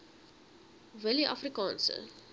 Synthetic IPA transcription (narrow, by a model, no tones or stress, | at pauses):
vəliʔɐ̰frikɑːnsə̰